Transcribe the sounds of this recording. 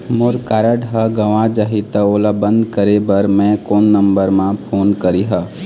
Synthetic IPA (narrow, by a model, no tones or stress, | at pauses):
moːɾkaːɾəɖɦəɡəʋãd͡ʒaɦit̪əoːlabə̃nd̪kəɾebəɾmɛ̃koːnːəmbəɾmãpʰoːnkəɾiɦə